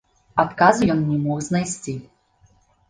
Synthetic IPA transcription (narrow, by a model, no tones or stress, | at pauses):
at̪kazɨjɔnnʲɛmɔɣznajsʲt͡sʲi